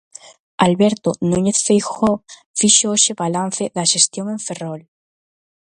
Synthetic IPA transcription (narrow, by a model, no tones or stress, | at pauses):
alβeɾt̪onũɲeθfejxo | fiʃooʃeβalan̟θeðaʃest̪joŋeɱferol